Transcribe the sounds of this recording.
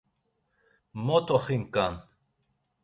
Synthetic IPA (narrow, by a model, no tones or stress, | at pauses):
mɔt̪ʰɔχiŋkan